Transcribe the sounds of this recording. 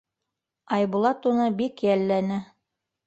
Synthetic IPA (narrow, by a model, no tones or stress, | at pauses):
ɑjbulˠɑt̪unɤbikjælːænɘ